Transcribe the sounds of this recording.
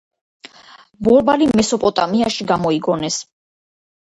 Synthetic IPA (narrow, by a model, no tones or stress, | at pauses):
bɔɾbalimɛsɔpʼɔt̪ʼamiaʃiɡamɔiɡɔnɛs